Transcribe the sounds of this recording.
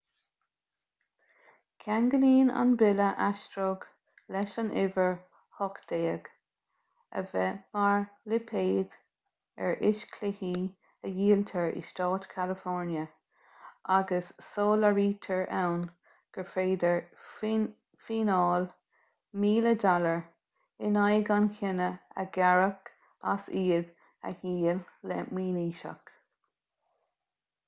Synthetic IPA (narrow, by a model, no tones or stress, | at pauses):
kʰaŋɡəliːna̰nbɪləʔaʃtɾoɡ | lɛʃanʔɪvəɹ | hɔkd̪̥eːəɡ̥ | ə̰vɛmaɹlɪpʰeːd̪̥ | ɛ̰ɹʔɪʃkʰlɪhiː | əjiːlt̪ʰəɹḭʃtɑːt̪kʰalɪfɔɹnjə | ʔaɡəsːoːləɹiːt̪ʰəɹʔawn | ɡ̥əfeːd̪əɹ | fiːnɔːl | miːlədaləɹ | ɪnajɡankʰɪnəə̰ɡaɹək | a̰siːd | ə̰jiːllɛ̰mwiːniːʃa̰k